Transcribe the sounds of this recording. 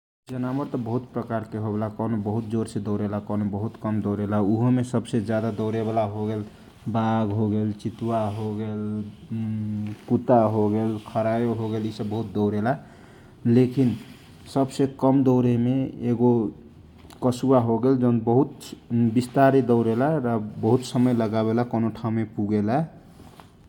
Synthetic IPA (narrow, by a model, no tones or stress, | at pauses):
d͡ʒənaməɾt̪ɔbəɦut̪̚pɾəkaɾkeɦobelakɔnobəɦut̪̚d͡ʒoɾsed̪ɔɾelakɔnobəɦut̪kəmd̪ɔwɾelauɦmesəbsed͡ʒjad̪ad̪ɔʊɾeβalaɦoɡel | baɡɦoɡelt͡ʃit̪uwaɦoɡel | kut̪aɦoɡelkʰəɾajoɦoɡelisəbbəɦut̪̚d̪ɔʊɾela | lekin | səbsekəmd̪ɔʊɾemeeɡo | kəsuaɦoɡeld͡ʒənbəɦut̪bist̪aɾed̪əʊɾelaɾabəɦut̪səməjləɡaβelakonoʈʰaũmepuɡela